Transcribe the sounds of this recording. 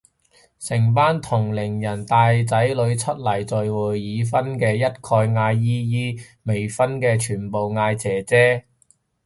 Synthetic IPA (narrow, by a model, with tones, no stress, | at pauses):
sɪ˨˩ŋpaː˥nt̪ʰʊ˨˩ŋlɪ˨˩ŋjɐ˨˩nt̪aː˨˧jt͡sɐ˨˥jlɵ˨˧ɥt͡sʰɵ˥t̚lɐ˨˩jt͡sɔ˨jwuː˨˩jːiː˨˧fɐ˥nkɛː˧jɐ˥t̚kʰɔː˧jŋaː˧jːiː˥jiː˥ | me˨˩jfɐ˥nkɛː˧t͡ʃʰyː˨˩npo˨wŋaː˧jt͡sɛː˨˩t͡sɛː˥